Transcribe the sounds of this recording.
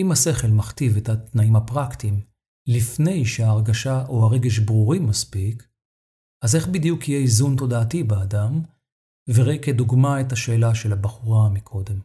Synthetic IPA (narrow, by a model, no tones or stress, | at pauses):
imase̞χe̞lmaχtivethat̪naimhapʁaktim | lifne̞jʃeaːʁɡaʃaʔohaʁe̞ɡe̞ʃbʁuʁimaspik | aze̞χbid̪jukijeizunt̪o̞daːtibeadam | veʁekeduɡmaethaʃe̞ːlaʃe̞labaχuʁamikʰo̞de̞m